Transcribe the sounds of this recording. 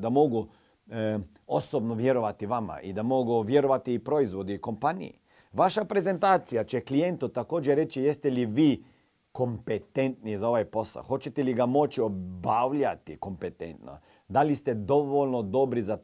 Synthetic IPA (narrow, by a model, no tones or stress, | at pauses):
d̪amo̞ɡu | osobnoʋje̞ɾo̞ʋat̪iʋama̰ʔid̪amo̞ɡuʋje̞ɾo̞ʋat̪iːpɾo̞izʋo̞d̪iːko̞mpanḭḭ | ʋaʃapɾe̞ze̞nt̪aːt̪sijat͡ʃeklije̞nt̪ut̪ako̞ːd͡ʒeɾe̞t͡ʃijest̪eliʋiː | ko̞mpet̪e̞nt̪nizao̞ʋajpo̞sa̰lxo̞t͡ɕet̪eliɡamo̞t͡ʃio̞bawlʎat̪iko̞mpet̪ḛnt̪no̰ | d̪alist̪e̞d̪o̞ʋoʎnod̪o̞bɾiza